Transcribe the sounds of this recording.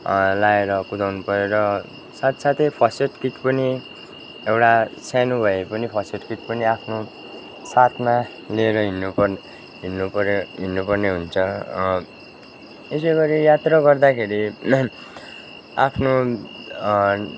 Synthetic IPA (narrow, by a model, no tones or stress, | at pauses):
laeɾʌkud̪awnupʌɾeɾʌ | sat̪sat̪ʰepʰʌseʈkitpʌni | ewʈasanubʱʌepʌnipʰʌseʈkiʈ̚pʌniapʰno | sat̪ʰma | lieɾʌɦinːupʌr | ɦinːupʌɾɦinːupʌrneɦunt͡sʰʌ | es̬ʌjɡʌɾijat̪rʌɡʌrd̪akʰeɾi | a̰pʰno